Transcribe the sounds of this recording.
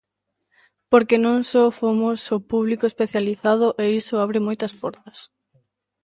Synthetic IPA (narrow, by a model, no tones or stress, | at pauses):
poɾkenõŋsofomosopuβlikoespeθjaliθað̞ʊʔeisoaβɾɪmojt̪ɐspɔɾt̪ɐs